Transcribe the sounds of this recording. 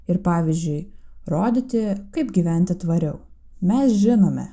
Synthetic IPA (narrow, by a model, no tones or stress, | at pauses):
ɪɾpɑːʋʲizʲd͡ʒʲʊɪɾoːd̪ʲɪt̪ʲɪkɐɪpɡʲiʋʲɛˑnʲt̪ʲɪt̪ʋɐɾʲɛʊ | mʲɛsʒʲɪnoːmʲɛ̰